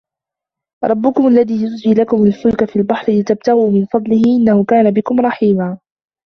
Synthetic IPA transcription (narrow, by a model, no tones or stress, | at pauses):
ɾˤɑbːʊkʊmʊalːaðiːjʊzd͡ʒɪːlakʊmʊlfʊlkafiːlbaħɾɪlɪt̪ab̚t̪aɣuːmɪnfɑd̪ˤlɪhɪʔɪnːahʊkaːnabɪkʊmɾˤɑħiːmaː